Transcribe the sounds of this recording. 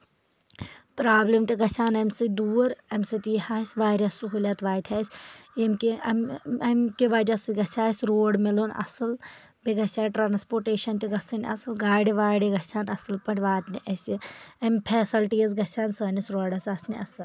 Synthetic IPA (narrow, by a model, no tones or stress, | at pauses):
pɾaːblemt̪iɡɐsʲaːnɐmʲsɨd̪uːɾɐmʲsɨt̪iɦaːsʲʋaːɾʲɐsːuɦulʲat̪ʋaːjt̪ʰʲaːsʲemkiɐmɐmkiʋad͡ʒɐsɨɡɐsʲaːsʲɾoːɽmiloːnɐ̰sɨl | biɡɐsʲaːʈɾaːnspoːʈeːʃɐnt̪iɡɐsɨnɐsɨlɡaːɽiʋaːɽeɡɐsaːnɐsɨlpɐʈʰʲʋaːt̪niʔɐsʲiɐmʲpʰɛːsɐlʈijɐs̬ɡɐsʲaːnsɐːnisɾoːɖɐsɐsniɐsɨl